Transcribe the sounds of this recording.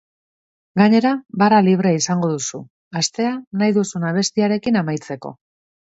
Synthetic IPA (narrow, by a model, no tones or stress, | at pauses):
ɡaɲe̞ɾabaraliβ̞ɾeaisaŋɡo̞ðusu | ast̪e̞anajðusunaβ̞e̞st̪iaɾe̞kinamajt͡se̞ko̞̰